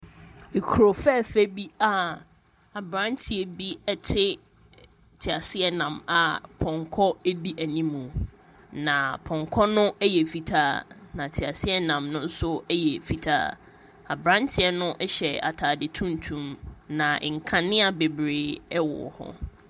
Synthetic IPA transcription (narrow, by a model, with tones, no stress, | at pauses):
e˨kʰu˨ɾo˨fɛ˦˨fæ˦bi˦a˦ | a˨bɾã˦ntʰɪ˨ɛ˦bi˦ɛ˦tʰɪ˦ | tʰɪ˨a˨sɪ˦ɛ˦nã˨ma˨pʰɔ̃˨ŋkʰɔ˦ɛ˦di˦ʔæ˨nĩ˦mũ˨ | nã˨pʰɔ̃˨ŋkʰɔ˦nʊ̃˦ʔɛ˦jɛ˨fi˨tʰaː˦nã˨tʰi˨a˨sɪ˦ɛ˦nã˨mnʊ̃˦n̩˦sʊ˦ɛ˦jɛ˨fi˨tʰa̰ː˦ | a˨bɾã˦ntʰɪ˦ɛ˦nʊ̃˦ʔɛ˦ɕɛ˨a̰˨tʰaː˨dɪ˨tʰũ˦n˦tʰũ˦˨mnã˨ŋ̩˨kʰã˨nɪ̃˦a˨be˨bɾeː˨˦ɛ˦wɔ̰˨hɔ̰˦